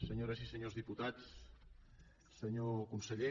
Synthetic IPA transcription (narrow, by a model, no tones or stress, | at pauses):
səɲoɾasisəɲozðiput̪at͡s | səɲokunsəʎe